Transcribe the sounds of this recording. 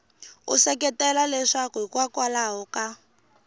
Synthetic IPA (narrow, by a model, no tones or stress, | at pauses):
ṵsɛkɛtɛlalɛʂakuɦikwakwalaɦɔka